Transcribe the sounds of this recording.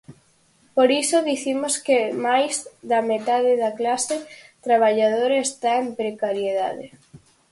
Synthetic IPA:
poɾisoðiθimoskemajzðɐmet̪aðeðɐklaset̪ɾaβaʎað̞oɾaest̪aempɾekaɾjeða̰ðe

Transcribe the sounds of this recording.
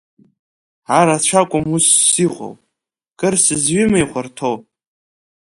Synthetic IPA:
ʕaɾat͡ɕʷʰakʷʼʊmusːiʁʷo̰w | kʼɨrsɨzɥɪmajχʷartʰow

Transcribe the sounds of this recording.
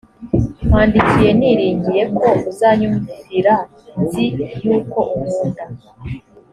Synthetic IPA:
m̥haːndikije̞niɾiːɲɟije̞ko̞uzaːɲumviziɾa | nzijuːko̞ʔumuːnda

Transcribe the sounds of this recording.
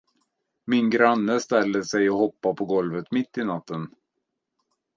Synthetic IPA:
mɪnɡɾanːəst̪ɛlːəsɛjɔhɔpːapʰɔɡɔlvət̪mɪt̪ːɪnat̪ːən

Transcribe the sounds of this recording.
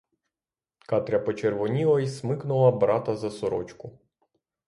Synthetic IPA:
kɑt̪ɾʲɐpɔt͡ʃerʋɔnʲiʋˠɔjismɪknʊlˠɐbɾɑt̪ɐzɐsɔɾɔ̰t͡ʃkʊ

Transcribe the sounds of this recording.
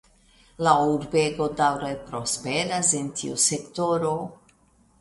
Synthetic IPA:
lauɾbe̞ɡo̞dawɾepɾo̞speɾasentʰḭṵse̞kto̞ɾo̞

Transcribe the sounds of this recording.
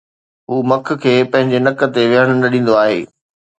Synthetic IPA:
ɦuːmɐk̆ʰkʰeːpɐ̃ɦɪ̃ɲd͡ʑenɐkə̆t̪eʋɪɦəɽ̃ʊnɐɗĩːn̆d̪oaːɦḛː

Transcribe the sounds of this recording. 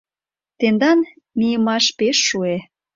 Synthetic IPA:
t̪end̪ɑn | mijəmɑʃpeʃːue

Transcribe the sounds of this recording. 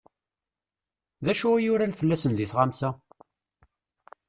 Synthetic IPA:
ðæʃuæjʊɾænfəlːæsənðiθʁamsæ

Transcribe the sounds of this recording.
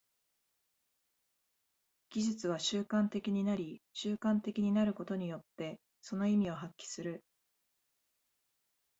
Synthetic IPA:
ɡ̥ʲiʑɨt͡sɨβ̞aɕɨːkãnt̪e̞kʲiɲ̟inaɾʲiɕɨːkãnt̪e̞kʲiɲ̟inaɾɯ̟ko̞t̪o̞ɲ̟ijo̞t̪ːe̞ | so̞no̞imʲio̞ɦakʲːi̥sɨɾɯ

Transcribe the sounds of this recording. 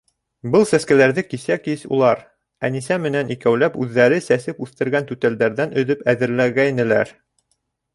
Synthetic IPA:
bɤlˠsæskælæɾðɘkisækisṵlˠɑɾ | ænisæmɘ̆nænikæwlæpʉðːæɾɘsæsɘpʉθt̪ɘ̆ɾɡænt̪ʉt̪æld̪æɾðænɵ̆ðɵpæðɘ̆ɾlæɡæjnɘ̆læ̰ɾ

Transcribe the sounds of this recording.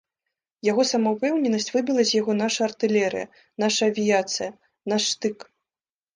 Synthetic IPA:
jaɣɔsɐmɐwpɛwnʲɛnɐsʲt͡sʲvɨbʲilˠɐzʲjaɣɔn̪aʂɐɐrt̪ɨlʲɛɾɨ̰jɐ̰ | naʂɐːvʲijat̪sɨjɐ | naʂːt̪ɨk

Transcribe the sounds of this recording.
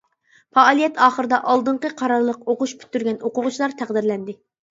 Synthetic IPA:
pɑːlˠijɛt̪ɑːχəɾɨd̪ɑʔɑlˠd̪ɨɴqəqʰɑɾɑɾlˠəqoqʊʃpʰy̥t̪ːyɾɡʲɛnoqʊʁʊt͡ʃʰlˠɑɾt̪ʰæʁd̪ɪɾlɛnd̪ɪ

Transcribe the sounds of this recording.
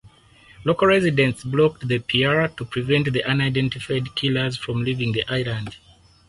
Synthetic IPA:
lokəlɹɛzidɛ̃ntsblɔk̚tðəpʰiaɹtupʰɹ̥ivɛ̃ntðiʔãnajdɛ̃ntifaɪdkʰilə˞zfɹɔ̃mlivĩŋðiʔajlãnd

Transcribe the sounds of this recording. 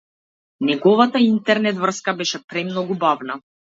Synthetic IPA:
nɛɡɔvat̪aint̪ɛɾnɛt̪vr̩skabɛʃɛpɾɛmnɔɡubavna

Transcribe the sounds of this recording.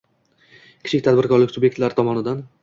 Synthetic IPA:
kʲʰɪ̥t͡ʃʰɪkʲt̪ʰad̪bɪɾkɒɾlɪkʲsʊbje̞k̚ʲt̪laɾɪt̪ʰɒmɒnɪd̪an

